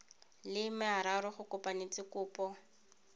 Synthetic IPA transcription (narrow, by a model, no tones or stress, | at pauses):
lɪmɪaɾaɾʊχʊkʊpʼanet͡sʼɪkʊːpɔ